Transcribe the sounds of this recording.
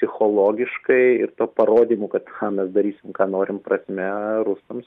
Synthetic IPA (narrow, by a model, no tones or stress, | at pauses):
sʲɪxoːlˠoːɡʲɪʃkɐɪɪ̰rt̪oːpɐɾoːd̪ʲiːmuːkɐt̪ɑmʲɛsd̪ɐɾʲiːsʲɪmkɑːnoːɾʲɪmprɐsʲmʲɛɾʊst̪ɐms